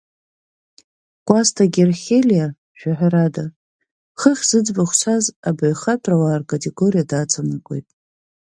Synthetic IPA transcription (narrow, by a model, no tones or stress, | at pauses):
kʷʼastʰaɡʲerχʲelija | ʒᶣaħʷᶣaɾada | χəχʲz̥ɨd͡zbaχʷsʷʰazabaɥχapʼʰrawaːrkʼatʰʼe̞ɡorijadat͡sʰanakʷʼo̞̰jtʼ